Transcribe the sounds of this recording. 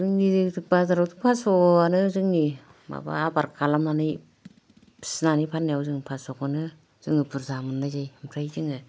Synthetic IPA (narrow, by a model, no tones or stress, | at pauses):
zɯŋnidɯzɯk̚bazaɾawtɯpʰasɔanɯzɯŋni | ma̰ba̰abaɾkʰalamnanɯj | pʰi̥snanipʰanːjawzɯŋpʰasɔkanɯ | z̥ɯŋɯbɯɾzamɯnːajzajhɯmpʰɾajzɯŋɯ